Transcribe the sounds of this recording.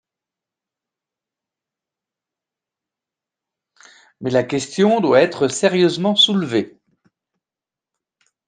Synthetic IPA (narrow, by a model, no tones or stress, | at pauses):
mɛlakʲɛst̪jɔ̃d̪waɛt̪χəsɛʁjøzmɑ̃sulve